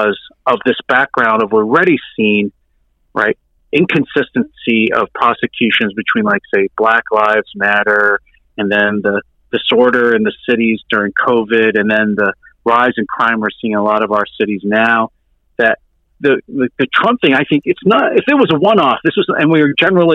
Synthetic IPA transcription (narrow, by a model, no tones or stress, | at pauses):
zʌvðɪsb̥æk̚ɡ̥ɹãʊ̃ndʌvwɪɹɹɛɾisĩn | ɹʔa̰ɪɾ̚ | ʔɪ̃nkʰɨ̃nsɪstɨ̃nsiʌ̰v̥pʰɹ̥ɑsɨkʰj̥ʉʃɨ̃nzbɨtʰw̥ĩnlaɪkseɪb̥læklaɪvz̥mæɾə˞ | ɨ̃nðɨ̃nðɨ | d̥ɨsɔɹɾə˞ɨ̃nðɨsɪɾizdʊɹɪ̃ŋkʰoʊvɪɾɨ̃nðɨ̃nðəɹaɪzɨ̃nkʰɹ̥ãɪ̃mə˞sĩŋəlɔɾʌvaʊə˞sɪɾiznaʊ | ðɨt̪̚ | ðɨðɨðɨtʰɹ̥ʌ̃mp̚θɪ̃ŋaɪθɪ̃ŋkɨtsnəɾɨfðə˞wʌzəwʌ̃nɔfðɪswʌzɨ̰̃nwiə˞d͡ʒɛnə˞l̩ˠi